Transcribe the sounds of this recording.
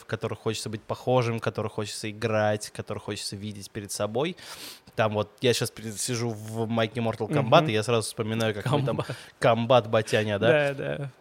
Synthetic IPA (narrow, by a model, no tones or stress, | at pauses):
fkɐt̪o̞ɾɨxxot͡ɕɪ̥t̪səbɨt̚ʲpɐxo̞ʐɨmkɐt̪o̞ɾɨxo̞t͡ɕɪ̥t̪səɪɡɾatʲkɐt̪o̞ɾɨjxo̞t͡ɕɪ̥t̪səvʲidʲɪtʲpʲɪɾʲɪd̪sɐbo̞jt̪amvo̞t̪jaɕaspʲɪɾʲɪsʲɪʐuvmajkʲɪmo̞rt̪əlˠkɐmbat̪ɨjasɾazʊfspəmʲɪnajʊkakt̪amkɐmbat̪bɐtʲanʲəd̪ad̪a